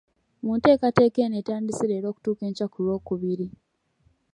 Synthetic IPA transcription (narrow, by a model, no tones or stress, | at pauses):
munte̞ːkate̞ːke̞ːneːtaːndisiɾe̞ːɾo̞ːku̥tuːke̞ːɲcakulwo̞ːkuβiɾi